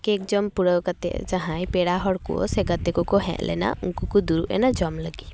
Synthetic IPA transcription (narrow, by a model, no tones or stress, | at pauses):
kekd͡ʒɔmpuɽəwkat̪ɛ̰ʔd͡ʒaɦãjpeɽaɦɔɽkṵseɡət̪ekɔkɔɦɛ̰̃ʔlɛ̰na̰ʔuŋkukud̪uɾʔɛ̰nad͡ʒɔmləɡi